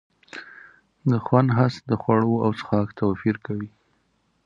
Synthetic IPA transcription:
d̪əxwand̪ɦasd̪əxwaɽoawsə̥xɑkt̪ʰawfiɾkawi

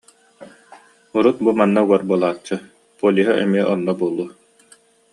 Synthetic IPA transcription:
uɾut̪̚bumanːauɡɔɾbuɔlˠaːt͡ɕːɯ | pulʲiɦaʔɛmiɛʔɔnːɔbuɔlˠːuː

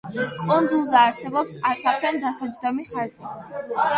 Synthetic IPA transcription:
kʼund̪zulˠzɛːɾsɛbɔpsasapʰlɛnd̪asad͡ʒd̪ɔmiχazi

